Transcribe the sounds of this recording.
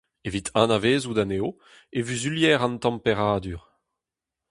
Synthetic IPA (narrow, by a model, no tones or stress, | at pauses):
evit̪ʰãnaveːzud̪aneːo | evyzyljɛːʁɑ̃nt̪ɑ̃mpeʁaːd̪yʁ